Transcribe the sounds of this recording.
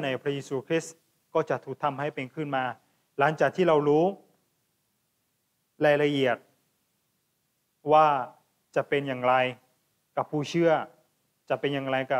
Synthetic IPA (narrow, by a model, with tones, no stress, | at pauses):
na˧˩jpʰɾa˦˥jeː˧suː˧kʰɾi˦˥ | kɔː˧˥˩t͡ɕa˨˩t̪ʰuː˨˩k̚t̪ʰa˧mha˥˩jpe˧nkʰɯː˧˥˩nmaː˧ | la˩˦ŋt͡ɕaː˨˩k̚t̪ʰiː˥˩ɾa˧wɾuː˦˥ | laː˧˩jla˧ʔi˨˩ət̪̚ | waː˧˩ | t͡ɕa˨˩pe˧njaː˨˩ŋɾa˧j | ka˧˩pʰuː˧˩t͡ɕʰɯ˥˩ɐ | t͡ɕa˨˩pe˧njaː˨˧˩ŋɾa˧jka˧˩